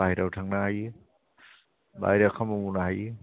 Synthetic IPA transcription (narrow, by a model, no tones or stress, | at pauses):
ajɾawtʰaŋnaɦaj | ba̰jɾakʰamumunaɦaj